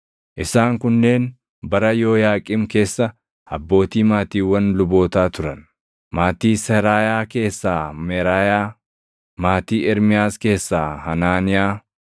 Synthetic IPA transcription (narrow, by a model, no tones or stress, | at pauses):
ʔɪsaːŋkʊnːe̞ːn | bɐɾɐjo̞ːjaːkʼɪmke̞ːsːɐ | ɐbːo̞ːt̪iːmaːt̪iːwːɐnlʊbo̞ːt̪aːt̪ʊɾɐn | maːt̪iːsɛɾaːjaːke̞ːsːaːmɛɾaːjaː | maːt̪iːɛɾmɪjaːske̞ːsːaːhɐnaːnɪjaː